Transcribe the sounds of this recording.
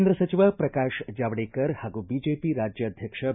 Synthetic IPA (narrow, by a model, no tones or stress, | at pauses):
nd̪ɾəsɐt͡ʃiʋəpɾɐkaːʃd͡ʒaʋɽeːkəɾhaɡubid͡ʒepiɾad͡ʒjəːd̪ʱjəkʂə